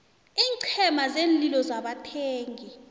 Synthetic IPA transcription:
iːǀʰɛmazeːnlilɔzaɓatʰeːŋʱi

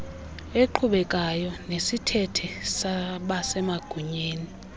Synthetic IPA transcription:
eǃʰuɓɛkʼajɔnesitʰɛtʰɛsaɓasɛmaɡ̥ʱuɲeːni

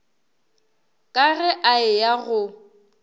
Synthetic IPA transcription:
kʼaɣɛʔaɪjaɣʊ

